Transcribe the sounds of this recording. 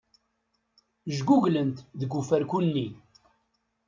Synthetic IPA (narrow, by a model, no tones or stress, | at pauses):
ʒɡuʝlənt̪ðəɡufæɾkunːi